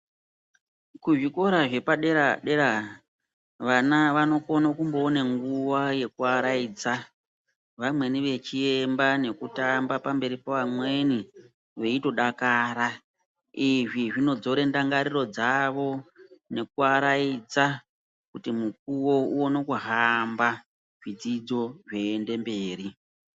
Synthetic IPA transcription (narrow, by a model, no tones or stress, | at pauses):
kuʐiko̞ɾaʐe̞paɗeɾaɗeɾa | ʋanaʋano̞ko̞nakumbo̞ːne̞ŋɡuwaje̞kuaɾaid͡za | ʋamwe̞niʋe̞t͡ʃie̞mbane̞kutambapambe̞ɾipoʋamwe̞ni | ʋe̞ito̞ɗakaːɾa | iʐiʐino̞d͡zo̞ɾe̞ndaŋɡaɾiro̞d͡zaʋo̞ne̞kuaɾaid͡za | kutimuk̚uwo̞uonokuɦamba | ʐid͡zid͡zo̞ʐe̞ːnde̞mbe̞ːri